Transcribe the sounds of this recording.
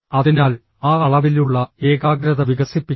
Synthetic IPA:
ɐðinaːl | aːɐɭɐʋiluɭːɐe̞ːɣaːɡɾɐðɐʋiɡɐsipːi

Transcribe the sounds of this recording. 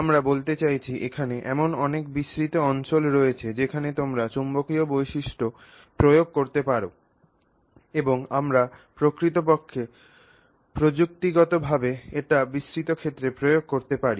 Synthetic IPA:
amɾabolt̪et͡ɕajt͡ɕʰiʔekʰaneʔɛmonɔnek̚biʃɾit̪oɔnt͡ɕolɾojet͡ɕʰed͡ʑekʰanet̪omɾat͡ɕumbokiobojʃiʃʈo | pɾojoɡ̚koɾt̪epaɾo | eboŋamɾapɾokɾit̪̬op̬okʰːe | pɾod͡ʑuk̚t̪iɡɔt̪obʱabeeʈabiʃɾit̪okʰet̪ːɾepɾojoɡ̚koɾt̪epaɾi

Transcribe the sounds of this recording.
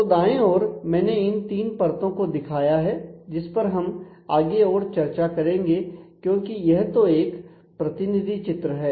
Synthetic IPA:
od̪aːẽɔːɾmɛ̃ːneɪnt̪iːnpɐɾt̪õkod̪ɪkʰaːjaɦɛːd͡ʒɪspɐɾɦɐm | aːɡeɔːɾt͡ʃɐɾt͡ʃakɐɾẽːŋɡekjõːkijɛɦt̪oeːk | pɾɐt̪ɪnɪd̪ʱit͡ʃɪt̪ɾəɦɛː

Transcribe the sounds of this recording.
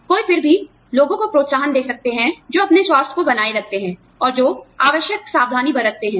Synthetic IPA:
koːifɪɾbʱi | loːɡõkopɾoːt̪saːɦənd̪eːksɐk̚t̪eɦɛ̃d͡ʒoːɐpneswaːst̪ʰkobɐnaːeɾɐk̚t̪eɦɛ̃ː | ɔːɾd͡ʒoːaːʋəʃjəksaːb̚d̪ʱaːnibɐɾət̪eɦɛ̃ː

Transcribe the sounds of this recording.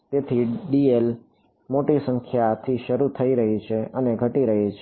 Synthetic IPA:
t̪et̪ʰiɖiel | moʈisə̃ŋkʰjat̪ʰiʃəɾut̪ʰəiɾəɦit͡ʃʰeʔəneɡʱəʈiɾəɦit͡ʃʰ

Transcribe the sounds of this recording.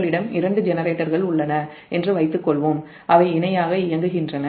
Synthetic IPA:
ɭɪɽɐmɪɾɐɳɖɯd͡ʒɛnɐɾeːʈːɐɾɣɐɭʊɭːɐnɐ | ʔɛndrɯʋɐɪt̪ːɯkːɔɭʋom | ʔɐʋɐɪɪnɐjaːɣɐɪjɐŋɡɯɣɪndrɐnɐ

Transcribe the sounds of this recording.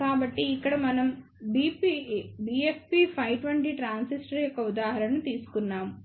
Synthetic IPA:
kaːbɐʈːiːkːɐɽɐmɐnɐm | bipibiefpipʰɐjʋʈʋeɳʈiʈɾaːnsisʈɐɾjɔkːɐud̪aːɦɐɾɐnut̪iːsu̥kunːaːmu

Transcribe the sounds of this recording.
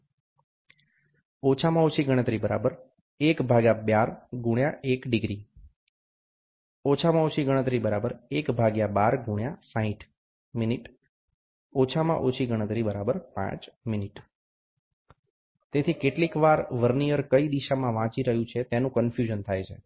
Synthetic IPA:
ot͡ʃʰamãot͡ʃʰiɡəɽ̃ət̪ɾibəɾa̰bəɾ | ekbʱaɡjabjaɾɡuɳjaʔekɖiɡɾi | ot͡ʃʰamãot͡ʃʰiɡəɽ̃ət̪ɾibəɾabəɾekbʱaɡjabaɾɡʱuɽ̃jasãɦiʈ | miniʈ | ot͡ʃʰamã̰ʔot͡ʃʰiɡəɽ̃ət̪ɾibəɾabəɾpã̰t͡ʃminiʈ | t̪et̪ʰikeʈlikʋaɾʋəɾniəɾkəid̪iʃamãʋãt͡ʃiɾəɦjũt͡ʃʰet̪enũkənfjuʒənt̪ʰajt͡ʃʰe

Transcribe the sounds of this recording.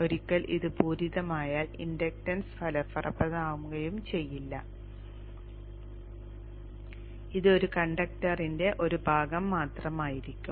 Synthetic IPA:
o̞ɾikʲːɐlʔḭðɨbʰʱuːɾiðɐmaːjaːlḭndɐk̚tɐnsfʰɐlɐfɐrʔɐpːɐðaːʋumɡɐjumt͡ɕe̞jːilːɐ | iðɨo̞ɾukɐɳɖɐk̚tɐrinde̞ʔo̞ɾubʱaːɡɐmːaːt̪rɐmaːjiɾikʲːum

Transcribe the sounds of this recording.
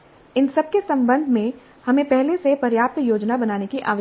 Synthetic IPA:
ɪnsɐb̚kesɐ̃mbə̃nd̪ʱmẽ | hɐmẽpɛɦlesepɐɾjaːt̪joːd͡ʒnabɐnaːnekiʔa̰ːʋə

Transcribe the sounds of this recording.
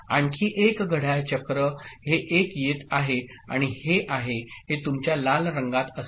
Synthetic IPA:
aɳkʰiːʔekɡʱəɽ̤ajt͡ɕəkɾəheʔekjet̪aɦe | a̰ɽ̃iheʔaɦeɦet̪umt͡ɕjalalɾəŋɡat̪əs

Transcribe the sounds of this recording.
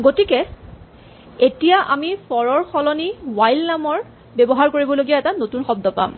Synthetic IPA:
ɡotikɛ | etijaʔamifɔɹɔɹxʰɔlɔniwajlnamɔɹ | bebɔɦaɹkoɹibɔloɡijaɛtanotunxɔb̚dɔpa̰m

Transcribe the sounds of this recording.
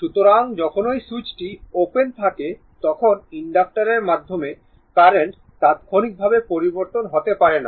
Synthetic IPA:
ʃut̪oɾaŋd͡ʑɔkʰonojsut͡ɕʈiopent̪ʰake | t̪ɔkʰoniɳɖak̚ʈaɾeɾmad̪ʱːome | kaɾeɳʈ | t̪at̪kʰonik̚bʱabepoɾiboɾt̪onɦot̪epaɾena̰

